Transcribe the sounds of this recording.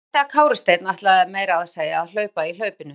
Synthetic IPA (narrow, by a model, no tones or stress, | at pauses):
t̪ɛakʰaːwɾɪst̪ejt̪naht̪laðɛɾmeːjɾaːðseːjaːðl̥œːɥpail̥œːɥpɪnʏ